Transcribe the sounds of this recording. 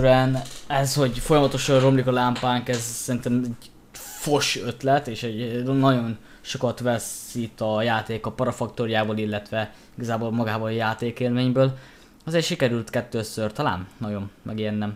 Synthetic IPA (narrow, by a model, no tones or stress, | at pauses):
ɾɛnɛsho̞ɟfo̞jɒmɒt̪o̞ʃɒrro̞mlikɒlaːmpaːŋkɛzsɛɾint̪ɛmɛɟ | fo̞ʃøt̪lɛt̪eːʃɛɟnːɒɟo̞n | ʃo̞kɒt̪ʋɛsit̪ɒjaːt̪eːkɒpɒɾɒfɒk̚t̪oɾjaːbɒlilːɛt̪ʋɛ | iɡɒzaːboːlmɒɡaːbɒljaːt̪eːkeːlmeːɲbøːl | ɒzeːrʃikɛɾylt̪kɛt̪ːøːsørt̪ɒla̰ːnnɒjo̞nmɛ̰ɡijɛnːɛm